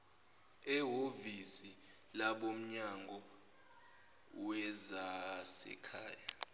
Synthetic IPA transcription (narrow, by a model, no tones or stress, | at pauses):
ɛɦovisilaɓom̩ɲaŋɡʱɔ | wɛzasɛ̰kʰa̰ːja